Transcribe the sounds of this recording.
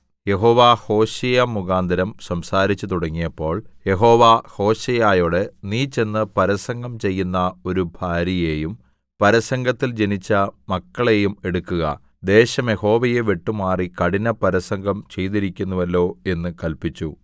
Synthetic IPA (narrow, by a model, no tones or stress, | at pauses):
je̞ɦo̞ːʋaho̞ːɕejamːuɣaːnd̪ʱɐɾɐmsɐmsaːɾit͡ɕːɨt̪uɽɐŋːijɐpːo̞ːɭje̞ɦo̞ːʋaho̞ːɕɐjaːjoɽeniːt͡ɕːe̞nːɨpɐɾɐsɐŋɡɐmt͡ɕe̞jːunːɐo̞ɾubʱaːɾɐje̞ːjum | pɐɾɐsɐŋɡʱɐt̪ːild͡ʑe̞nit͡ɕːɐmɐkːɐɭejume̞ɽukːuɣɐ̰ | d̪e̞ːɕɐmje̞ho̞ːʋɐjeʋeʈːumaːrikɐɽinɐpɐɾɐsɐŋɡʱɐmt͡ɕe̞jt̪̬iɾikʲːunːuʋɐlːo̞ːe̞nːɨkɐlpit͡ɕːu